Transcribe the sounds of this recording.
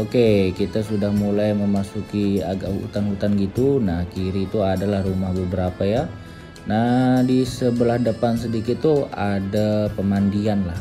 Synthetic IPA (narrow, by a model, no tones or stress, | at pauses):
okekit̪asudahmulajməmasukiaɡaʔhṵt̪anɦut̪anɡit̪unahkiɾit̪uadalahrumahbəbəɾapaja | nadisəbəlahdəpans̬ədikɪt̪ːuadapəmandianlah